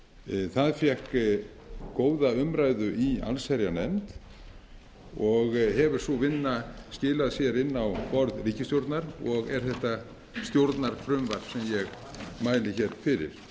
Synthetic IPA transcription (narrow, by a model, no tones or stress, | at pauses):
θaðfjɛhk | koːwðaʏmɾajðʏʔia̰lsɛɾjanɛmt̪ | ɔɣɦɛvʏ̥sɔvɪnːascɪːlaðsjɛɾɪnːawpɔɾðriːcɪst̪jowɾt̪naɾɔɣɛɾ̥θɛht̪a | st̪jowɾt̪naɾ̥fɾʏmvaɾpsɛmjɛɣ | maːjlɪçɛɾ̥fɪɾɪ̰ɾ̥